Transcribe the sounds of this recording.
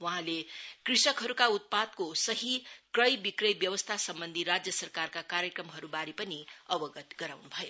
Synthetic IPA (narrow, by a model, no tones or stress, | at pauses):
wʌɦãlekrisʌkɦʌɾukaut̪̚pad̪̚kosʌɦikrʌjbikrʌjbjʌwʌst̪ʰasʌmbʌnd̪ʱiɾad͡zjʌsʌrkarkakaɾjʌkrʌmɦʌɾubaɾipʌniʌbʌɡʌt̪ɡʌɾawnubʱʌjo